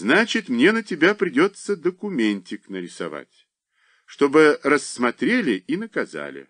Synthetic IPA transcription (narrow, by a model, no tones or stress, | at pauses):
znat͡ɕɪt̪mnʲenətʲɪbʲapɾʲɪdʲo̞t̪səd̪əkʊmʲenʲtʲɪknəɾʲɪsɐ̰va̰tʲ | ʂt̪o̞bɨɾəsːmɐt̪ɾʲelʲɪʔinəkɐza̰lʲɪ̰